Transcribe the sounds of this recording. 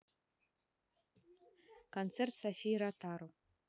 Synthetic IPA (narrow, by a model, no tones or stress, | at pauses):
kont̪sert̪safʲijɾɑt̪ɑɾo